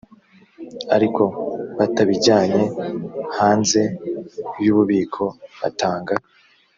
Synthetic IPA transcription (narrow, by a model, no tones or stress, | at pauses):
a̰ɾikʰo̞βataβiɟaːɲe̞haːnze̞bjuːβuβiːkʰo̞βa̰taːŋɡa